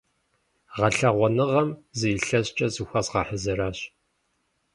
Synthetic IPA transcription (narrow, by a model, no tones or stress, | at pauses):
ʁɐɬɐʁʷɔnɨʁɐmzijɬɐɕt͡ʃʼɐzɨxʷɐzʁɐħəzɐɾaːɕ